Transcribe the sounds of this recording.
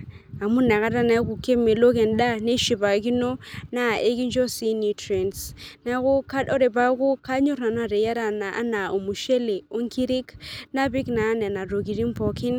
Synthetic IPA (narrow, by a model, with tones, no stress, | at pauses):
a˨mu˦na˨ɣa˦ɾa˦na˦ku˨ke˦me˨lo˦kɛ˨nda˦ne˦ʃi˨ba˨ki˦no˦na˦˨ʔe˦ki˦nd͡ʒɔ˦si˦ni˨tɾɛ˨nsna˦ko˦ka˦ɔ˦ɾe˨ba˦ko˦ka˦ɲo˦ɾna˨na˨ɾe˨ja˦ɾa˨na˨ʔa̰˦na˨o˨mu˨ʃe˦le˨o˦ŋki˦ɾi˦kna˦bi˦knaː˨˦nɛ˨na˨ɾo˨ɡi˨ɾi˦m˦pɔ˨ki˦n